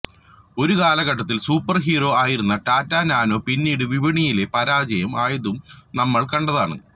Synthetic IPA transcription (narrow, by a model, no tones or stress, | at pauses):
o̞ɾukaːlɐɣɐʈːɐt̪̬ːilsuːpːɐrɦiːro̞ːaːjiɾunːɐʈaːtːaːnaːno̞ːpinːiːɽɨʋiʋɐɳijile̞pɐɾaːd͡ʑɐjɐmaːjɐðumnɐmːɐɭkɐɳɖɐðaːɳɨ̰